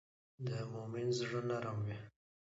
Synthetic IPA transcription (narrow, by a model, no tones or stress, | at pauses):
d̪əmʊmɪnzʐənaɾamwi